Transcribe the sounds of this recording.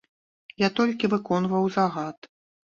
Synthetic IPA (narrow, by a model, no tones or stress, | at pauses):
jat̪ɔlʲkʲivɨkɔnvɐwzaɣat̪